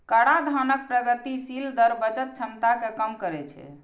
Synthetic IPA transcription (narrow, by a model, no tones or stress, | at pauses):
kəɽad̪ʱanək̚pɾəɡət̪isild̪əɾbət͡ʃət̪̚t͡ʃʰənt̪akekəmkəɾɛt͡ʃʰɛ̰